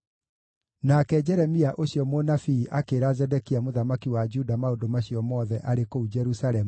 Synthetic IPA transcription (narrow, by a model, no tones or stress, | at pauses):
nakɛd͡ʒɛɾɛmiaʔoɕjɔmonafiːʔakeɾazɛdɛkiamoðamakiwad͡ʒudamaodomaɕiɔmɔːðɛʔaɾekoud͡ʒɛɾusalɛmu